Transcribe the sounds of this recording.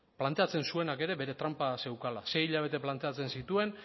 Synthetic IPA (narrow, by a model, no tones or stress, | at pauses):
plant̪e̞at͡se̞nsue̞nake̞ɾe̞βe̞ɾe̞t̪ɾampase̞wkala̰se̞jiʎaβ̞e̞t̪e̞plant̪e̞at͡se̞nsit̪ue̞n